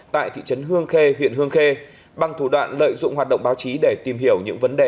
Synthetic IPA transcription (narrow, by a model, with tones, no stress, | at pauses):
t̪a̰ː˧˨jt̪ʰḭ˧˨t͡ɕə˨˦nɦɨ˧əŋxe˧ɦwḭ˧˨ənɦɨ˧əŋxe˧ | ɓa˧˩ŋt̪ʰu˧˩ɗwa̰ː˧˨nlə̰ː˧˨jzʊ̰˧˨ŋ͡mhwaː˨˩t̚ɗə̰˧˨wŋ͡mɓaː˨˦wt͡ɕi˨˦ɗe˧˩t̪i˨˩mɦi˧˩əwɲɨ̰˧˥ŋvə˨˦nɗe˨˩